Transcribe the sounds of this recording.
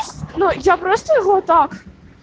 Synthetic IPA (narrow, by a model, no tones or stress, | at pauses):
nujapɾɔst̪əjɐɣɔt̪ak